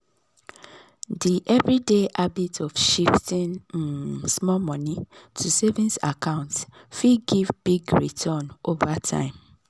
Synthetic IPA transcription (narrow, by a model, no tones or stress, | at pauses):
diʔɛvɹideʔabitʰɔfʃiftĩn̩ | smɔmɔ̃nitʰusevĩnsa̰kʰãʊ̃nt | fiɡivb̥iɡɹḭtʰɔ̃novatʰã̰ɪ̃m